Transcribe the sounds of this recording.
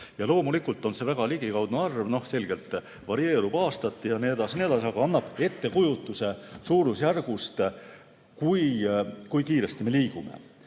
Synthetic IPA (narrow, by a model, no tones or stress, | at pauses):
jɑlo̞ːmulikːult̪ːˑo̞nse̞væɡ̥ɑliɡikɑwd̪neɑrvno̞hse̞lɡ̥e̞lt̪ːˑ | vɑɾie̞ːɾub̥ɑːst̪ɑt̪ːˑijɑned̪ɑsned̪ɑsɑɡ̥ɑɑnːɑb̥e̞t̪ːe̞kujut̪ːˑuse̞suːɾusjærɡ̥ust̪ | kujkujkiːɾe̞st̪ime̞liːɡ̥ume̞̰